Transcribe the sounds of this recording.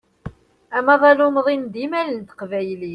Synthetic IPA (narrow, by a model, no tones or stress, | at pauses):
æmæðˤɑlumðˤimd̪imælənt̪ə̥qvæjli